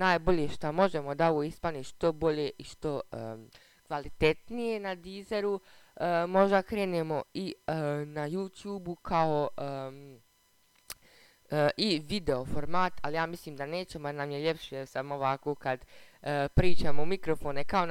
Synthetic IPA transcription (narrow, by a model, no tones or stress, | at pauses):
naːjbo̞ʎe̞ʃt̪amo̞ʒe̞mo̞d̪ao̞ʋoːispaniʃt̪o̞bo̞ʎeʔiʃt̪o̞ə | kʋalit̪e̞t̪nije̞nad̪izeɾuəmo̞ʒd̪akɾe̞ːnemo̞inajuːt̪juːbukʰao | ʔiʋid̪e̞o̞fo̞ɾmaːt̪alijaːmisliːmd̪aneːt͡ɕemonaːmjeʎe̞pʃejesamoʋakoːkad̪ | pɾiːt͡ʃaːmoumikɾo̞foːnekao